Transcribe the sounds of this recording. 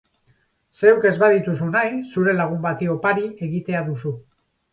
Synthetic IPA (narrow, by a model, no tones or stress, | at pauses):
se̞wke̞zβaðit̪usunajsuɾe̞laɣ̞umbat̪io̞paɾie̞ɣit̪e̞aðusu